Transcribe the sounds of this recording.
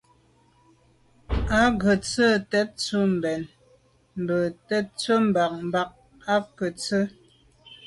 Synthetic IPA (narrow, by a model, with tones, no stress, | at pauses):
a˦ɣə˨t͡sə˦˨tɛ˦t̚t͡su˦m̩˨bɛ˨n | m̩˨bə˨tɛ˦t̚t͡swə˦m̩˨ba˨k̚m̩˨ba˨k̚ | a˦kə˨t͡sə˦